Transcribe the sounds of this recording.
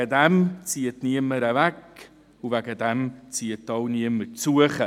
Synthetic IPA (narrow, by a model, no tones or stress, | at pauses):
ədɛmt͡siːətniəməɾəvɛk | uvɛɡədɛmt͡siːət̚dɑwniəməɾt͡suəχə